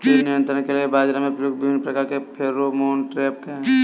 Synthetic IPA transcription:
enɪjə̃nt̪ɾənkeliebaːd͡ʒɾamẽpɾəjoːɡbɪbʱɪnːpɾɐkaːɾkepʰeɾːomoːnʈɾeːp̚kẽ

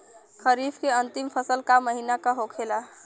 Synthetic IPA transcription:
kʰəɾifʰkeənt̪impʰəsəlkaməɦinakaɦokʰela

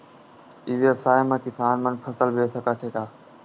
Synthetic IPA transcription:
iːʋeːəfsaːemãːkisaːnmənpʰəsəlbʱeːsəkaːt͡ʃ̪ʰeːkaː

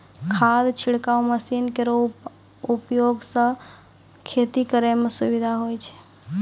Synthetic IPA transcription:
kʰad̪t͡ʃʰiɽkauməsinkeɾo | upjoɡsə̃ | kʰet̪ikəɾemesubid̪ʱaɦojt͡ʃʰɛ̥

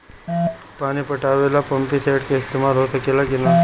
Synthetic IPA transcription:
panipəʈaʋelapəmpit̪ʰeʈkeɪst̪emalɦot̪əkelakena

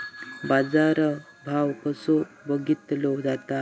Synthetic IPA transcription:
bad͡zaɾə | bʱawkəsu | bəɡit̪lod͡zat̪a

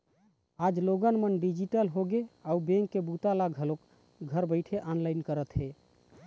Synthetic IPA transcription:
ad͡ʒloɡənmənɖid͡ʒiʈəlɦoɡeaubẽŋkːebut̪alaɡʱəlok | ɡʱəɾbəɪʈʰeʔanlajnkəɾət̪ɦe

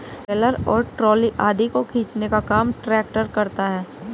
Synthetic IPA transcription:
pɛːləɾɔːɾʈɾɔːliʔaːd̪ʱikokʰiːt͡ʃnekakaːmʈɾɛːk̚ʈəɾkɐɾt̪aɦɛː

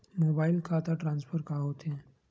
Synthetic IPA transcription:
moːbaːɪlkʰaːt̪aʈɾãːnspfʰəɾkaɦoːt̪ɦɛ̃ː

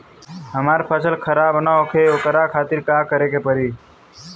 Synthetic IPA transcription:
ɦəmaːɾpʰəsəlkʰəɾaːbnaokʰeokəɾakʰaːt̪ɪɾkaːkəɾekepəɾiː

